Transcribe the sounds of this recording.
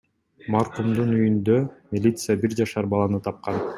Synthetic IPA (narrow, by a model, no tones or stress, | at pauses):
mɑɾqumd̪unyjynd̪ømʲilʲit̪sɨjabiɾd͡ʒɑʃɑɾbɑlˠɑnɯt̪ʰɑp̚qɑn